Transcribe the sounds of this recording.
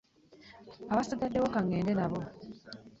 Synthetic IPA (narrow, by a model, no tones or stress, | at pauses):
aβasadːadːeβokaŋːeːndenaβo